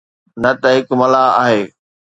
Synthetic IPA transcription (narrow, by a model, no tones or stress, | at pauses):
nɐt̪ɐɦɪkmɐlaaːɦeː